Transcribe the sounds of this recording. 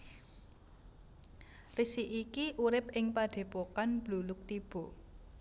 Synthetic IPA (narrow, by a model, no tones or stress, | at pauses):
risiʔikiʔuɾɪp̚ɪŋpaɖ̥e̤pokanb̥lulʊk̚t̪ib̥ɔ̤